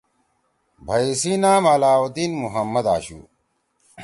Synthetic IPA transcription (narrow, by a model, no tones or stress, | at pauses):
bʱɐisiːnaːmɐlaːwɐt̪iːnmuɦɐmːɐd̪a̰ːɕṵː